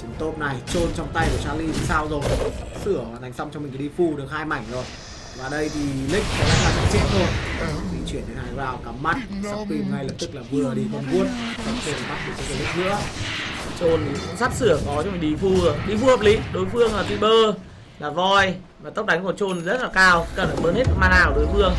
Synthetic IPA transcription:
t͡ɕi˨˦ŋ͡mt̪o˦˥t̚na˨˩jt͡ɕo˧nt͡ɕɔ˧wŋ͡mt̪a˧jku˧˩t͡ɕaː˨˦li˧i˨˩saː˧wzo˨˩jsɨ˧˩ə˨˩na˨˩jŋ̟sa˧wŋ͡mt͡ɕɔ˧ŋ͡mmï̟˨˩ka˨˦ɗi˧fu˧ɗɨ˨˩ək̚haː˧jma˧˩jŋ̟zo˨˩j | vaː˨˩ɗə˧jt̪ʰi˨˩lï˦˥k̟̚ka˨˦naː˨˧˩ŋsaː˧˩t͡ɕa˧˩t͡ɕɛ̰˧˥˨nzo˨˧˩jti˨˧˦ŋt͡ɕwi˧˩ənɗe˨˦nhaː˨˩vaː˨˧˩wka˨˦mːa˦˥t̚sa˧wxi˧ŋa˧jlə˨˩p̚t̪ɨ˦˥k̚laː˨˩vɨ˧əɗi˧kɔ˧mku˧˥ən̚za˨˧˩se˧na˨˩ɓa˦˥t̚ki˨˩t͡ɕɔ˨˧˦ə˨˧˩li˦˥nɨ̰˧˥ə˨ | t͡ɕo˧ni˨˩kʊ̰˧˥ŋ͡msa˦˥t̚sɨ˧˩əkɔ˨˦t͡ɕɔ˧ŋ͡mmi˨˩ŋ̟ɗi˧˩fu˧˨˩ɗi˧fu˧həː˨˩p̚li˨˦ɗo˨˦jfɨ˧əŋlaː˨˩t̪wi˧ɓəː˧ | laː˨˩vɔ˧˩j | vaː˨˩t̪ə˦˥k͡p̚ɗa˨˦ŋ̟ku˧˩ət͡ɕo˧n˨zə˦˥t̚laː˨˩kaː˧˩wkə˨˩nː˨˩ɓəː˧nhe˦˥t̚maː˧naː˨˩wɗo˨˦jfɨ˧əŋ

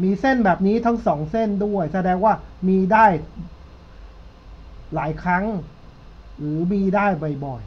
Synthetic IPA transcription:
miː˧se˥˩nbɛː˨˩p̚niː˦˥t̪ʰa˦˥ŋsɔː˩˦ŋse˥˩ndu˥˩əjsa˧dɛː˧ŋwaː˥˩miː˧daː˥˩j | laː˩˦jkʰɾa˦˥ŋ | ɾɯː˩˦miː˧daː˥˩jbɔ˨˩jbɔ˨˩j

